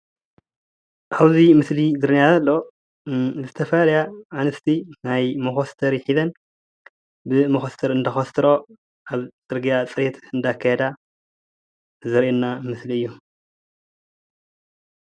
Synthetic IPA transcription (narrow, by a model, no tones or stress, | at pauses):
ʔaβzimɨslid̪ɨɾɨnjazɐlːo | zɨt̪ʰɐfɐlɐljaanɨst̪ʰinajmoxost̪ʰɐɾjɪħizɐn | bɨmɐxost̪ʰɐɾɨnd̪ɐxɐst̪ʰɨɾo | ʔaβt͡sʼɨɾɡijat͡sʼɨɾet̪ɨnd̪akʰːajɛd̪a | zɐɾʔenːamɨsliɨjːu